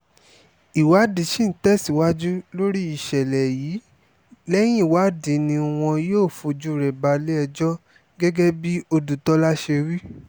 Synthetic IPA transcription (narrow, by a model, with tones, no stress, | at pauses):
i˨wa˨˦di˨˧˦ʃi˦n̩˦tɛ˦˨si˨wa˦d͡ʒu˦lo˦ɾi˦i˨ʃɛ˨lɛ˨jiː˨˦ | lɛ˦j̃ĩ˦˨wa˨˦di˨˦nĩ˧w̃ɔ̃˧joː˦˨fo˧d͡ʒu˦ɾɛ˨ba˧le˦ɛ˧d͡ʒɔ˦ | ɡɛ˦ɡɛ˦bi˦o˧du˨tɔ˦la˦ʃe˧wi˦